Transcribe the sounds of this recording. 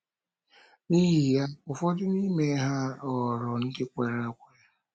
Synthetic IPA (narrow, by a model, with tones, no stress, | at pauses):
ni˦ɦi˨ja˦ʊ˨fɔ˦dɪ˦ni˦me˨˦ɦa˦ɔ˨ɾɔ˨n̩˦dɪ˦kʷe˨ɾe˦kʷe˦˨